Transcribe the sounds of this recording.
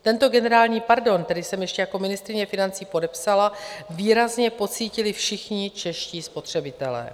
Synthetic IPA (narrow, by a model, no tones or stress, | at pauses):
t̪ɛnt̪o̞ɡɛnɛɾaːlɲiːpaɾdo̞nt̪ɛdɪsɛmjɛʃcɛjako̞mɪnɪst̪ɾɪɲɛfɪnant͡siːpo̞dɛpsalaviːɾazɲɛpo̞t͡siːcɪlɪfʃɪxɲɪt͡ʃɛʃciːspo̞t̪r̝̥ɛbɪt̪ɛlɛ̰ː